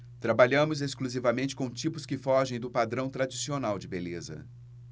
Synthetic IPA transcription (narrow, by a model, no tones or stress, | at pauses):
t̪ɾabaʎɐ̃mʊzeskluzivɐmẽnt͡ʃɪ̥kõt͡ʃipʊskɪfɔʒẽj̃d̪ʊpad̪ɾɐ̃w̃t̪ɾad͡ʒisionawd͡ʒɪbelezɐ̰